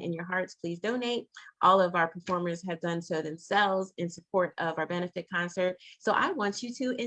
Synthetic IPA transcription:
ɨ̰̃njə˞ɦɑɹtspʰl̥izdõʊ̃neɪt̚ʔɔlˠʌvaʊə˞pʰə˞fɔɹmə˞z̥ɨvdʌ̃nsoʊðɨ̃msɛlˠvzɨ̃nsɨpʰɔɹɾʌvaə˞bɛnɨfɨt̚kʰɑ̃nsə˞t̚soʊʔa̰ɪwɑ̃nt͡ʃɨɾɨʔɪ̃

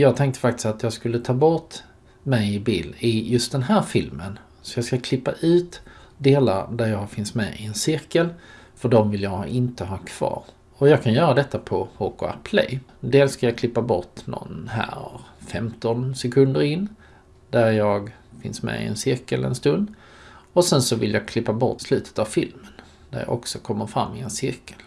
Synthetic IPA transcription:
jɑːɡ̚t̪ʰɛŋk̚t̪ə̥fak̚t̪ɪ̥st̪at̪jɑːɡskɵlːət̪ʰɑːbɔt̪ | mɛjɪbiːlɪjɵst̪̚d̪ɛnɦæːɾfɪlmən | sɔjɑːɡskakʰlɪpːaʔʉ̟ːt̪d̪eːla̰ɾd̪æɾjɑɡhɑfɪnsmɛ̰ʔɪɛnsɪɾkəl | fœɖɔmvɪljɑɪnt̪əɦɑkʰv̥ɑ̰ːɾ | ɔjɑːɡkʰanjœːɾad̪ɛt̪ːapʰɔhokʊa̰pʰlɛ̰jd̪eːlsːkajɑːkʰlɪpːabɔʈnɔ̰nɦæ̰ːɾfɛmt̪ɔnsɛkʰɵnd̪əɾɪnː | d̪æɾjɑːɡ | fɪnsmɛ̰ɪ̰ɛ̰nsɪɾkəlɛ̰nst̪ɵnd̪ | ɔsɛnsɔvɪ̰ljɑːɡkʰlɪpːabɔ̰ʈːslʉ̟ːt̪ʰə̥t̪avfɪlmən | d̪̥æ̰ɾjɑ̰ʔɔksɔkʰɔmːəɾfɾa̰mːɪɛnsɪɾkə̥l

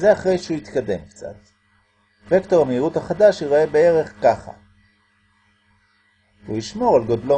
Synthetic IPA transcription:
ze̞aχʁe̞jʃeujit̪kad̪e̞mkt͡sa̰t̪ | vekto̞ʁameiʁuthaχadaʃiʁoebee̞ʁe̞χkaχa̰ | ujiʃmo̞ʁalɡod̪lo

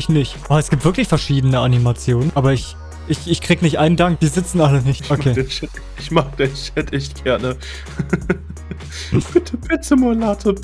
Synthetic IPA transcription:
ɪçnɪçtʔaɛsɡ̥iːp̚tvɪɐklɪçfɛɐʃiːdənəʔanimat͡sjoːnənʔaːbɐɪç | ʔɪçɪçkʁ̥iːɡənɪçtʔaɪnəndaŋk̚d̥iːzɪt͡sn̩ʔalənɪçtʔokʰeːɛt | ɪçmaːkəd̥eʃɛtɛçtɡ̥ɛɐnə | b̥ɪtʰəb̥ɪt͡səmolaːtʰo

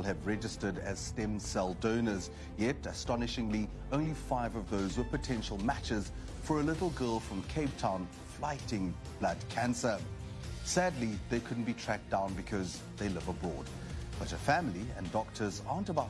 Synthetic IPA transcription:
lˠɨvɹɛd͡ʒɨstə˞ɾɨz̥stɛ̃msɛlˠdõʊ̃nə˞z | jɛɾɨstɑnɨʃɪ̃ŋli | õʊ̃nlifaɪvʌvðoʊzwə˞pɨtʰɛ̃nʃl̩ˠmæt͡ʃɪz̥ | fə˞ɨlɪɾl̩ˠɡɜ˞lˠfɹʌ̃mkʰeɪb̚tʰãʊ̃n | flaɪɾɪ̃ŋ | b̥lʌd̚kʰæ̃nsə˞ | sædˡliðeɪkʰʊdⁿn̩b̥itʰɹ̥æk̚d̥ãʊ̃nbɨkʰʌz | ðeɪlɪvəbɹɔɹd̚ | b̥ʌɾɨfæ̃mlˠiɨ̃ndɔk̚tʰə˞zɑɹntəba

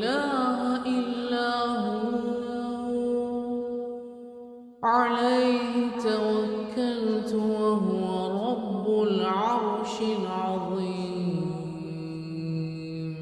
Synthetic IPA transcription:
laːɦʔɪlːaːɦʊ | ʕalajhɪt̪awakːalt̪waɦʊwaɾˤɑbːʊlʕɑɾˤʃɪʕɑðˤiːmm

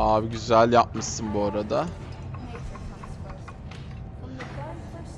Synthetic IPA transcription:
aːviɟyzælʲjap̚mɯsɯnbuaɾad̪a

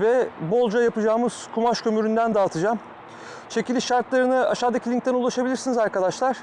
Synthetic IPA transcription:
vɛbo̞lˠd͡ʒajapɯd͡ʒaːmɯz̥kʰumaʃkʰø̞myɾynd̪ænd̪aːt̪ʰɯd͡ʒam | t͡ʃʰe̞cʰilʲiʃaɾt̪lˠaɾɯnɯa̰ʃaːd̪acʰilʲiŋkt̪ænulˠaʃabilʲiɾsinizaɾkad̪aʃlˠaɾ̥

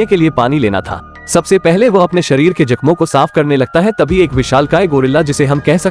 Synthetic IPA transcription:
ekeliepaːnileːna̰t̪ʰa̰ː | sɐbsepɛɦleʋoɐpneʃɐɾiːɾked͡ʒɐkmõkosaːfkɐɾnelɐɡ̚t̪aɦɛt̪ɐbʱieːkʋɪʃaːlkaːeɡoːɾɪlːad͡ʒɪseɦɐmkɛɦsɐ

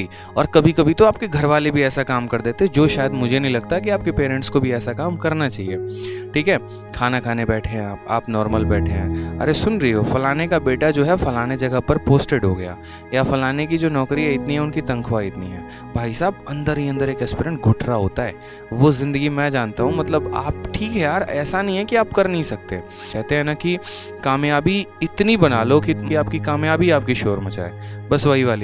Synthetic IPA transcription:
iː | ɔːɾkɐbʱikɐbʱit̪oaːp̚keɡʱɐɾʋaːlebʱiɛːsakaːmkɐɾd̪eːt̪eɦɛd͡ʒoːʃaːjəd̪mʊd͡ʒʱenɐɦĩlɐɡ̚t̪aɦɛk̬iaːp̚kepeːɾɛ̃ɳʈskobʱiɛːsakaːmkɐɾnat͡ʃaːɦieːʈʰiːkɦɛː | kʰaːnakʰaːnebɛːʈʰeɦɛ̃aːpa̰ːpnɔːɾməlbɛːʈʰeɦɛ̰̃ːɐ̰ɾesʊnɾɐiɦoːfɐlaːnekabeːʈad͡ʒoːɦɛfɐlaːned͡ʒɐɡəpɐɾpoːsʈeɖɦoɡɐja̰ː | jafɐlaːnek̬id͡ʒoːnɔːkɾiɦɛɪt̪niɦɛʊnkit̪ɐ̃ŋkʰʋaːiɪt̪nḭɦɛ̰ː | bʱaːisaːbɐ̃nd̪əɾɦiɐ̃nd̪əɾeːkɛspiɾə̃ɳʈ̚ɡʱʊʈɾaɦoːt̪aɦɛ̰ː | ʋozɪ̃nd̪əɡimɛ̃d͡ʒaːnt̪aɦũmɐt̪ləbaːp̚ʈʰiːkɦɛjaːɾɛ̰ːsanɐɦĩɦɛkiaːpkɐɾnɐɦĩsɐk̚t̪ḛ | kɛɦt̪eɦɛ̃naki | kaːmjaːbiɪt̪nibɐnaːlokiiaːp̚kikaːmjaːbiaːp̚kiʃoːɾmɐt͡ʃa̰ːḛːbɐsʋɐɦiʋaːli

